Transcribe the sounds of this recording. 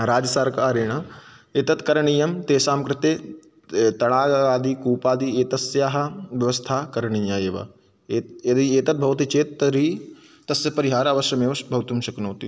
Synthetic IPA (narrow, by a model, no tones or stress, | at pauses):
ɾaːd͡ʒɐsaːɾkaːɾeːɳ̃ɐeːt̪ɐt̪kɐɾɐɳiːjɐmt̪eːsaːmkɾɪt̪eː | t̪ɐɽaːaːd̪ikuːpaːd̪ieːt̪ɐsjaːɦɐʋjɐʋɐst̪ʰaːkɐɾɐɳiːjaːeːʋɐ̰ | ɐd̪ieːt̪ɐt̪̚bʱɐʋɐt̪it͡ʃeːt̪ɐɾiː | t̪ɐsjɐpɐɾiɦaːɾaːʋɐʃjɐmeʋɐʃbʱɐʋt̪umʃɐknɐːt̪i